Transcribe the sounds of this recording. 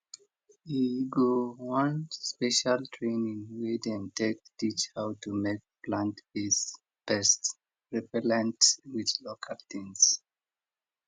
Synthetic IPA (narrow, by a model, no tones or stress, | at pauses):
hiɡowãnspɛʃaltʰɹẽnĩŋwidɛ̃ntek̚tit͡ʃhawtumek̚plãnthis | b̥ɛst | ɹɛpɛlɛ̃ntwid̪lokʰalt̪ʰĩŋs